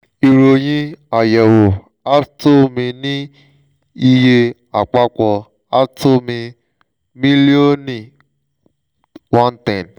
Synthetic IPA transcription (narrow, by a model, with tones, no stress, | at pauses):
i˧ɾo˧j̃ĩ˦a˨jɛ˨wo˨ | a˦to˦mĩ˧nĩ˦ | i˧je˧ | a˨k͡pa˦kɔ˧ | a˦tʰo˦mĩ˧ | mĩ˦li˦o˦nĩ˨ | wã˦n˦tɛ̃˨n